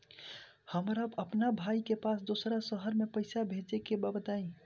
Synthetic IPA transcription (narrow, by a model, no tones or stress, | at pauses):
həmɾabəpnabʱaikepasd̪osɾasəɦəɾmepəɪsabʱed͡ʒekebabət̪aĩ